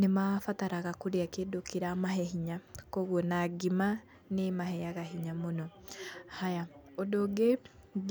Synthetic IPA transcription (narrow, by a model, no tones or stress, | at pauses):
nemafataɾaɣakoɾeakeːdokeɾamaɦɛɦiɲakoɣwɔnaɡima | nemaɦɛjaɣaɦiɲamonɔhajaodoɡe